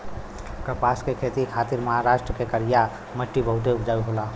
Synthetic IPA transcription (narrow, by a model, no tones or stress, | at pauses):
kəpaːskekʰeːt̪ikʰaːt̪ɪɾməɦaɾaːʃʈɾəkekəɾija | məʈːibʱəɦʊʈ̪̬eupd͡ʒaːuɦola